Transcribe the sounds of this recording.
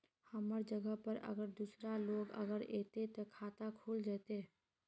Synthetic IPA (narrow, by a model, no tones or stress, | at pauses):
həməɾd͡ʒəɡəɦpəɾə̰ɡəɾd̪usɾaloːɡə̰ɡəɾeːt̪et̪ɔkʰaːt̪akʰuːld͡ʒaːt̪e